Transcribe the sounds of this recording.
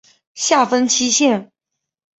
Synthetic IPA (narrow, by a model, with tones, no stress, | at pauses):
ɕja˥˩fə˥nt͡ɕʰi˥ɕjɛ˥˩n